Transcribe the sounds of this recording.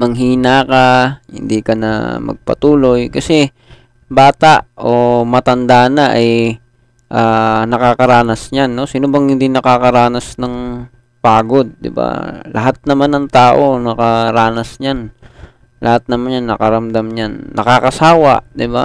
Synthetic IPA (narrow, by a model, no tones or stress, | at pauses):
mɐŋɦiːnakahɪ̰nd̪ikɐnɐ̰mɐ̰ɡ̚pɐ̰t̪uːlo̞jkɐsɛ | baːt̪aʔʔo̞mɐt̪ɐnd̪aːnaʔɐj | ʔaːnɐkakɐɾaːnɐsɲanːo̞siːnobɐŋhɪnd̪inɐkakɐɾaːnɐsnɐŋ | paːɡo̞d̪̚ːɪ̰ba̰lɐ̰ɦat̪̚nɐmanɐŋt̪aːʔo̞nɐkɐɾaːnɐsɲan | lɐhat̪̚nɐmanjanːɐkɐɾɐmd̪amɲanːʔɐkakɐsaːwa̰ʔd̪ɪba